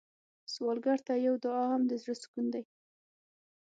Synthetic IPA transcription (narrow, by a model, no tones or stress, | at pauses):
swɑlɡaɾt̪ajawd̪ʊɑɦamd̪əzɽəskund̪aj